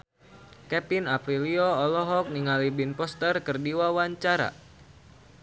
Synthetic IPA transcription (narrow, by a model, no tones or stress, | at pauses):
kɛpinapɾiliɔɔlɔɦɔk̚niŋalibinpɔst̪ərkərdiwawaɲt͡ʃaɾa̰